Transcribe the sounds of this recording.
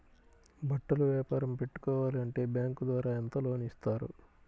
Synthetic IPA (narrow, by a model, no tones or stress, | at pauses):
bɐʈːɐluʋjaːpaːɾɐmpe̞ʈːu̥kɔːʋaːliɐɳʈe̞ːbjaːŋkud̪ʋaːɾaːent̪ɐlo̞ːnist̪aːɾṵ